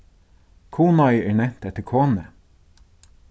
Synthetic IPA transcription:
kʰuːnɑjɛːɹnɛn̥t̪ɛt̪ːəɹkʰoːnə

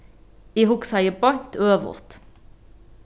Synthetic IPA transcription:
iːhʊksɑɪəbɑŋt̪øːʋʊ̰ʁt̪

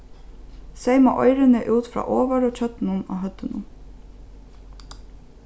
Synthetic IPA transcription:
sejma̰ʔɔjɾɪnɪʔuːt̪fɾa̰ːʔɔːʋaɾɔt͡ɕʰœt̪nʊna̰ɦœt̪ːənʊ̰

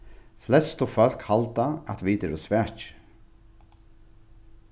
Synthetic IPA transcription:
flɛst̪ɔfœl̥khalt̪aat̪viːt̪ɛɾɔsʋæːt͡ʃ

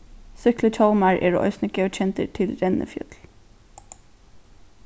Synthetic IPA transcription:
sʏkləc͡çʰɑlmɑɹʔḛːɹo̰ʔœ̰ʏsnəkəc͡çʰɛnt̪ə̰t̪ʰɪlɾɛnʔə̰fjœ̰t̪l̩

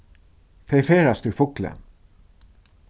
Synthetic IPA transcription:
t̪ʰɛɪfeːɹast̪ʉfʊklə̰

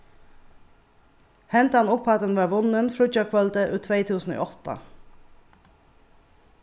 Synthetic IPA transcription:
hɛnt̪əhɑnʊpʰːɔɑt̪ənʋɑːʋʊnənfɾʊd͡ʒɑkʰʋɑlt̪eʔʉːt̪ʰʋeɪt̪ʰʉːsn̩o̰ːʔɔt̪ə̰

